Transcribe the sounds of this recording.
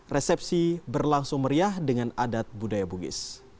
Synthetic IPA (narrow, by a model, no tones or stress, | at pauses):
rɛsɛp̚sibərlaŋsʊŋməɾiahdəŋanadat̪̚budajabuɡɪ̰s